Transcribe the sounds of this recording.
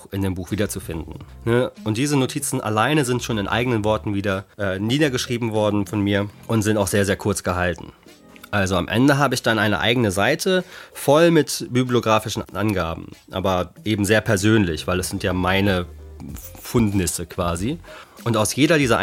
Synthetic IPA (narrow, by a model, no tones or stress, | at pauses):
xʔɪndeːmbuːxv̥iːdɐt͡sufɪndn̩ | nəʔʊnt̚d̥iːzənotʰiːt͡sn̩ʔa̰laɪnəzɪntʃoːnɪnʔa̰ɪɡənənvɔɐtn̩viːdɐʔɛːniːdɐɡəʃʁ̥iːbm̩vɔɐdn̩fɔnmiːɐʔʊntz̥ɪntaʊxz̥eːɐzeːɐkʰʊɐt͡sɡ̥əɦaltn̩ | ʔalzoa̰mʔɛ̰ndəɦaːbəɪçd̥anʔaɪnə̰ʔa̰ɪɡənəzaɪtʰəfɔlmɪtb̥yblioɡʁaːfɪʃn̩ʔanɡaːbm̩ʔa̰ːbɐʔeːbm̩zeːɐpʰɛɐzøːnlɪçv̥aɪlɛsz̥ɪntjaːmaɪnə | fʊndnɪsəkv̥aːziʔʊntaʊsjeːɾɐdiːzɐʔ